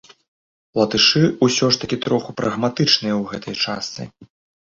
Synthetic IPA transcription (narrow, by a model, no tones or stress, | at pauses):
lˠɐt̪ɨʂɨusʲɔʂt̪ɐkʲit̪ɾɔxupɾʔɐɣmat̪ɨt͡ʂnɨjɐwɣɛt̪ɐjt͡ʂast̪sɨ̰